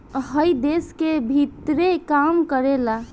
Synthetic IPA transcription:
ɦəjd̪eskebʱit̪ɾekamkəɾela

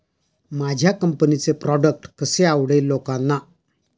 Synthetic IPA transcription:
mad͡ʑʱjakəmpənit͡sepɾɔɖək̚ʈkəseawɽelokãnːa

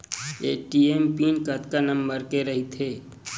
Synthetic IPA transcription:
eːʈiːeːmpiːnkɐt̪kanɐmbəɾkeɾɐɦit̪ʰeː

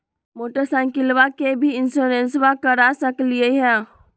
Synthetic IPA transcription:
moːʈəɾsãŋkɪlʋakebʱiɪnsoɾẽnsʋãkəɾasəklieɦɛ̃

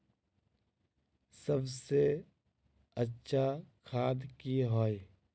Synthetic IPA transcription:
səbse | ətːʃʰakʰaːd̪kiɦoːe

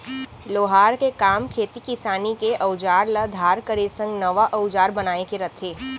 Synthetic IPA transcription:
loːɦaːɾkekaːmkʰeːt̪ikɪsaːnikeʔɐʊd͡ʒaːɾlɐd̪ʱaːɾkəɾesə̃ŋɡnɐʋaʔɐʊd͡ʒaːɾbɐnaːekeɾɐt̪ʰeː

